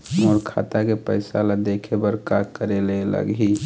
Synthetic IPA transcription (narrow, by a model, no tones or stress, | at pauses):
moɾkʰa̰t̪akepəɪsalad̪ekʰebəɾkakəɾelelə̰ɡɦi